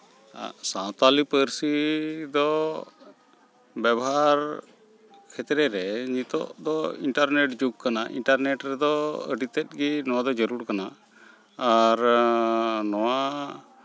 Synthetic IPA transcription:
a̰sãt̪alipəɾsid̪ɔ | bjabɔɦaɾ | kʰɛt̪ɾɛɾɛɲit̪ɔ̰ʔd̪ɔiɳʈaɾneʈd͡ʒuk̚kanaʔḭɳʈaɾnɛʈɾɛd̪ɔə̰ɖit̪ɛt̪̚ɡinɔwad̪ɔd͡ʒəɾuɾkanaː | ɾ | nɔwa

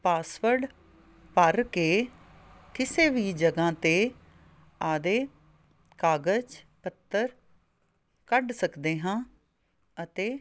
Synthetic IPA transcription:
paːsʋəɾɖ | pəɾkeː | kɪseːʋiːd͡ʒəɡãːt̪eː | aːd̪eː | kaːɡəd͡ʒ | pət̪ːəɾ | kəɖsəkd̪eːɦãː | ət̪eː

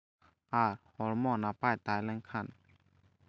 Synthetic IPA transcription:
ʔaɾhɔlmɔnapat̪ajlɛŋkʰan

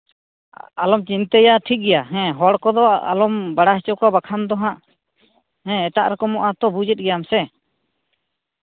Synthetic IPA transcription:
alɔmt͡ʃint̪ɛjaʈʰik̚ɡɛjaɦɛ̃ɦɔɽkɔd̪ɔa̰lɔmbaɽaɦɛt͡ʃɔkɔbakʰamd̪ɔɦãʔ | hɛ̃ɛʈaʔɾɛkɔmɔʔat̪ɔbud͡ʒɛt̪̚ˀɡɛjamsɛ

